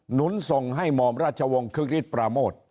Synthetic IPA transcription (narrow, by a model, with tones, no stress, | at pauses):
nu˦˥nso˨˧ŋɦa˥˩jmɔː˨˧˩mɾaː˥˩t͡ɕʰa˧wɔ˧ŋkʰɯ˥˩k̚ɾi˥˩t̪̚pɾaː˧moː˥˩t̪̚